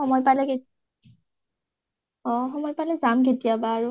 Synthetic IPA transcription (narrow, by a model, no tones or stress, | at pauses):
ɔmɔjpalɛke | ɔ̃xɔmɔjpalɛzamk̬etijabaːɹu